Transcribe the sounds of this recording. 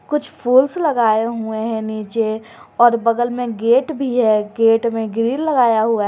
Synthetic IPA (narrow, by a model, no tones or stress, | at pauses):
kʊt͡ʃʰpʰuːlslɐɡaːeɦueɦɛ̃niːt͡ʃe | ɔːɾbɐɡəlmẽɡeːʈbʱiɦɛɡeːʈmẽɡɾiːnlɐɡaːjaɦuaɦ